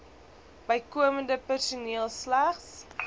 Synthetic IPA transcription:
bəjkuəməndəpærsuniəlˠslæχs

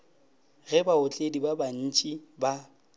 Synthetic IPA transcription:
ɣɛbaʊt͡ɬʼedibaban̩t͡ʃʼiba

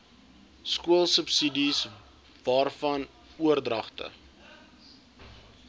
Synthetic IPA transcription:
skuəlˠsəpsidis | vɑːrfɐn | uərdrɐχtə̰

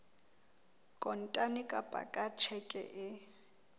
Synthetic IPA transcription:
kʼɔn̩tʼanɪkʼapʼa̰kʼat͡ʃʰɛkʼɛ̰ʔɪ

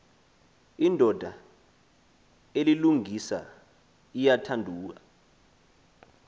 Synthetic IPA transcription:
indʱɔd̥ʱa | eliluŋisa̰ | ijatʰandʱuːk̬a

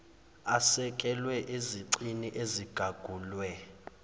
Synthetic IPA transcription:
asɛkʼɛlwɛʔeziǀiniʔeziɡ̥ʱaɡ̥ʱuːlwɛ

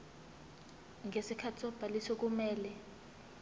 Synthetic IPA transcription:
ŋʱesikʰatʰisɔb̥ʱalisɔk̬umɛːlɛ

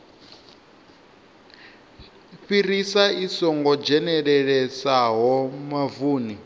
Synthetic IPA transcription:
ɸirisaisɔŋɡɔd͡ʒɛnɛɺɛɺɛsaɦɔmavuːni

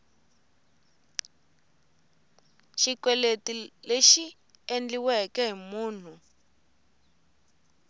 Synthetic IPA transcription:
ʃikwɛletileʃi | end͡ɮiwɛkɛɦimuːn̤u

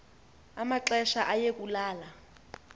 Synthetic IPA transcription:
amaǁɛʃaʔajek̬ʼulaːla

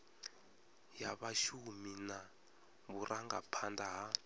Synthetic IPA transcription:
jaβaʃumina | βurʔaŋɡa̰pʰandaɦa

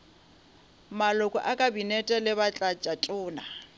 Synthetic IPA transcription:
malʊkʼɔ̰ʔakʼabinɛtʼɛlɪbat͡ɬʼat͡ʃʼatʼʊːna

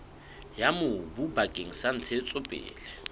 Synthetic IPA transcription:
jamʊbubakʼeŋ̩san̩t͡sʰet͡sʼʊpʼɪ̰ːlɛ

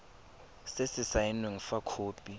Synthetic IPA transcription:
sesɪsainweŋ̩fakʰoːpʼi

